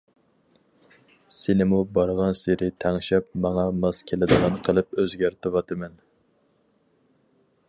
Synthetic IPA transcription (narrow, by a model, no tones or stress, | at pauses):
senɪmubɑɾʁɑnseɾɪt̪ʰæŋʃɛp̚mɑŋɑmɑskʲʰelɪd̪ɨʁɑnqʰəlˠɨpøzɡʲæɾt̪ʰɨwɑt̪ʰɨmɛn